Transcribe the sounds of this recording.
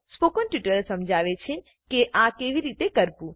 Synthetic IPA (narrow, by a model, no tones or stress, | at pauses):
spokənʈjuʈəɾsəmd͡ʒʱaʋet͡ʃʰe | keʔãkeʋiɾit̪ekəɾpũ